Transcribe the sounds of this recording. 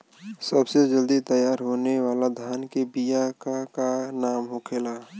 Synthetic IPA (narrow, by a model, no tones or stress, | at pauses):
səbsed͡ʒəld̪it̪əjaːɾɦoːneʋaːlad̪ʱjaːnkebijakakanaːmɦokʰeːlaː